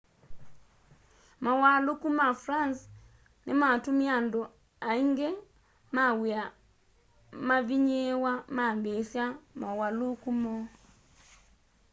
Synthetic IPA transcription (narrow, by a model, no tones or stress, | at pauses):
mawalokumafɾans | nematumiando | aiŋɡe | mawea | maβiɲewamambesjamawalokumɔ